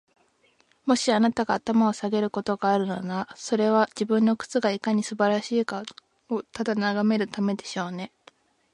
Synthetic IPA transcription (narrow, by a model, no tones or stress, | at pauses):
mo̞ɕianat̪aɡaːt̪amao̞saɡe̞ɾɯ̟ko̞t̪o̞ɡaːɾɯ̟nonaso̞ɾe̞βad͡ʑibɯ̟̃nːo̞kɯ̟̥t͡sɨɡaikaɲ̟isɨbaɾaɕiːka | ot̪ad̪anaɡame̞ɾɯ̟t̪ame̞d̪e̞ɕo̞ːne̞